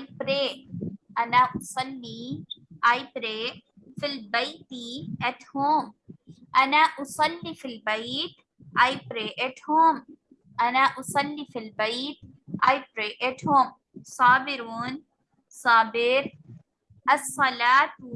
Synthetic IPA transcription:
apɾeːʔɐnaːʔʊsˤɐlːiʔaːjpɾeːfilbɐjt̪iɐʈhoːmʔɐnaːʔʊsˤɐlːiːfilbɐjt̪ | aːjpɾeːʔɐʈhoːm | ʔɐnaːʔʊsˤɐlːiːfilbɐjt̪ | ʔaːjpɾeːʔeʈhoːm | saːbɪɾuːn | saːbɪɾ | ɐsˤːɐlaːt̪

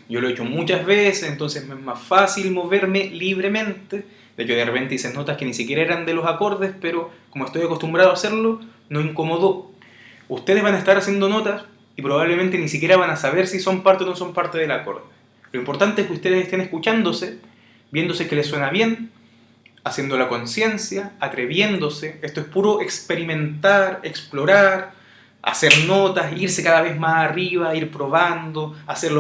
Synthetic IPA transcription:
ɟ͡ʝo̞loet͡ʃomut͡ʃazβesesent̪o̞nsesmeezmasfasilmo̞βe̞ɾme̞liβɾemẽ̞nt̪e | d̪eet͡ʃoðerepe̞nt̪eiseno̞t̪askenisikʲje̞ɾaeɾand̪e̞lo̞sako̞ɾðespeɾokomoest̪ojako̞st̪umbɾaðoase̞ɾlo | noiŋko̞mo̞ðo | ust̪e̞ð̞ezβanaest̪aɾasje̞nd̪ono̞t̪as | ipɾoβaβlement̪enisikʲje̞ɾaβanasaβe̞ɾsiso̞mpaɾt̪eonoso̞mpaɾt̪e̞ðelako̞̰ɾðe | loimpo̞ɾt̪ant̪eeskʲust̪e̞ðesest̪enehkut͡ʃand̪o̞se | bje̞nd̪o̞sekelesːwe̞naβje̞n | asje̞nd̪o̞lako̞nsje̞nsjaːt̪ɾeβje̞nd̪o̞seest̪oespuɾoʔekspe̞ɾimẽ̞nt̪aɾḛksplo̞ɾaɾ | a̰se̞ɾno̞t̪asiɾsekaðaβe̞zmasariβaiɾpɾo̞βand̪oaseɾlo

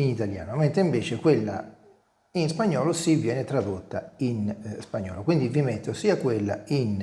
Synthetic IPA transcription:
init̪alja̰ːnoment̪ɾeiɱveːt͡ʃekwelːa̰ | inspaɲːɔːlosivjɛːnɛt̪ɾad̪ot̪ːainspaɲːɔ̰ːlokwind̪ivimet̪ːosiːakwelːa̰in

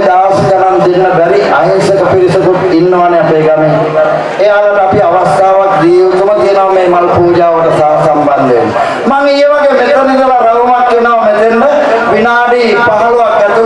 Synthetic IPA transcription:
d̪aːʋsɐd͡ʒanand̪inːəbɛɾiʔaɦisek̪əpiɾisɐt̪uʈ̪inːəʋaneapeːɡameː | eaːd̪əʈəapiaʋast̪aːʋak̚d̪iːut̪ːumək̪ijənoʋmeːmalpuːd͡ʒaːʋəʈəsaɦɐsamband̪enːə̰ | maŋiːʋaɡeːmet̪ənid̪ɐlaɾɐlumakːenaʋɐmet̪enːə | ʋinaːɖi | paɦɐluʋakːɛt̪u

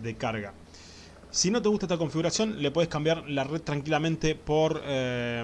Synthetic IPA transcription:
ðekaɾɣa | sino̞t̪̬eɣust̪aet̪ako̞ɱfiɣuɾasjo̞nle̞p̬oðe̞hkambjaɾlareð̚t̪ɾaŋkilamẽnt̪epo̞ɾ

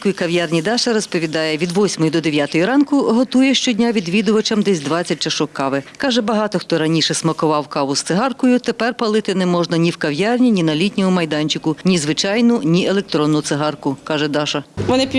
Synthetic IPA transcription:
kʊjikɐʋjɑrnʲid̪ɑʃɐɾɔspɔʋʲid̪ɑjɛʋʲid̪ʋɔsʲmɔjid̪ɔd̪eʋʲjat̪ɔjiɾɑnkʊɦɔt̪ujɛʃt͡ʃɔdʲnʲaʋʲid̪ʋʲid̪ʊʋɐt͡ʃɐmd̪ɛsʲd̪ʋɑt͡sʲːɐt̚ʲt͡ʃɐʃɔkːɑʋɪkɑʒɛbɐɦɑt̪ɔxt̪ɔɾɐnʲiʃɛsmɐkʊʋɑwkɑʋʊst̪sɪɦɑrkɔjʊt̪epɛrpɐlˠɪt̪ɪnɛmɔʒnɐnʲiwkɐʋjɑrnʲinʲinɐlʲitʲnʲɔɦʊmɐjd̪ɑnʲt͡ʃɪkʊnʲizʋɪt͡ʃɑjnʊnʲiʔelˠek̚t̪ɾɔnːʊt̪sɪɦɑrkʊkɑʒɛd̪ɑʃɐʋɔnɪpʲ

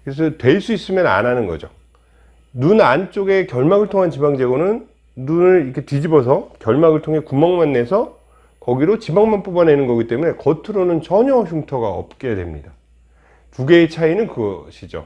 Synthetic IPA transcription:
kɯɾes̬ʰʌtwe̞ɭs͈uis͈ɯmjʌna̰nanɯnɡʌd͡ʑo | nunant͡ɕ͈oɡe̞kjʌɭmaɡɯɭtʰoŋɦant͡ɕibaŋd͡ʑe̞ɡonɯnː | unɯɾikʰetid͡ʑibʌsʰʌkjʌɭmaɡɯɭtʰoŋɦe̞kumʌŋmanːe̞sʰʌ | kʌɡiɾot͡ɕibaŋmanp͈ubane̞nɯnɡʌɡit͈e̞mune̞kʌtʰɯɾonɯnt͡ɕʌɲʌçuŋtʰʌɡaʌ̰p̚k͈e̞adwe̞mɲida | tuɡe̞ːt͡ɕʰainɯnkɯɡʌɕʰid͡ʑo̰

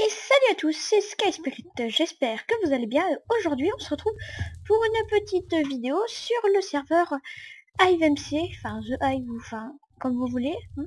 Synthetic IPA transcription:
esalyat̪usːɛsə̥kajspiʁit̪ʒɛspɛʁkəvuzalebjɛ̃oʒuʁd̪ɥiɔ̃səʁət̪χuvpuʁynpət̪it̪vid̪eosyʁləsɛʁvœʁajvɛmsefɛ̃zəʔajvufɛ̃ | kɔmvuvule

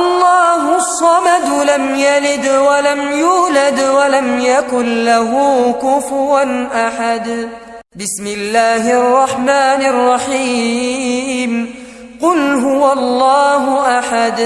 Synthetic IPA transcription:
ʔɑlˤːɑːɦʊsˤːɑmad̪lamjalɪd̪walamjuːlad̪walamjakʊnlaɦʊːkʊfʊɾanʔaħad̪ | bɪsmɪlːaːhɪʔɑrˤːɑħmaːnɪʔɑrˤːɑħiː | m | qʊlɦʊwalˤːɑːɦʊʔaħad̪

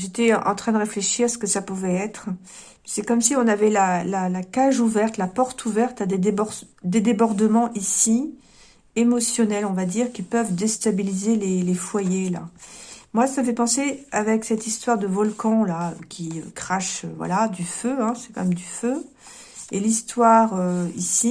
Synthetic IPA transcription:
ʒet̪ɛɑ̃t̪χɛ̃d̪əʁefleʃiʁsə̥kəsapuvɛɛt̪χ | sɛkɔmsiɔ̃navɛlalalakaʒuvɛʁt̪lapɔʁt̪ʰuvɛʁt̪ad̪ed̪ebɔʁ | d̪ed̪ebɔʁd̪əmɑ̃ʔisi | emɔsjɔnɛlɔ̃vad̪iʁkʲipœvd̪est̪abilizelelefwajela̰mwasaməfɛpɑ̃seavɛksɛt̪ist̪waʁd̪əvɔlkɑ̃laø̰kʲiø̰kχaʃøvwa̰lad̪yføɛ̃sɛ̥kɑ̰̃mɛmd̪yfø | elist̪waʁøisi

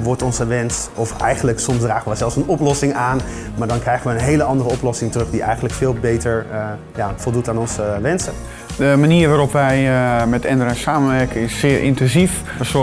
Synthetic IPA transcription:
ʋɔɹtɔnsəʋɛnsɔfɛ̰jχəndləksɔmsdraːχənʋəzɛlˠsənɔplɔsɪŋaːn | maːɹdɔnkrɛjɣənʋəənɦejləɑndərəɔplɔsɪŋtrɵχdiʔɛ̰jχəndləkfɪːlˠbeːtəɹ | jafɔlˠdutaːnɔnsəʋɛnsə | dəmaniːrʋaːɾɔpʋɛjmɛtɛnərasaːmənʋɛɹkəɪsːɪːɹʔɪ̰ntɛnzif | əs

